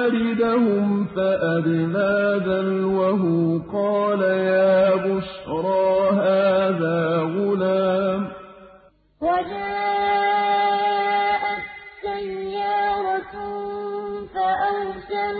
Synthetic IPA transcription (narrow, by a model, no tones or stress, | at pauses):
aɾɪd̪ahʊmfaʔabɪðaːd̪anwaɦʊqɑːlajaːbʊʃɾˤɑːɦaːðaːɣʊlaːm | wad͡ʒaːʔ | ʔatsːajːaːɾˤɑt̪ | faʔawsa